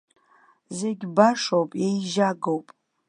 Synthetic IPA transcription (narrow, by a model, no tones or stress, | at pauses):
zeɡʲbaʂowpʼjejʒaɡowpʼ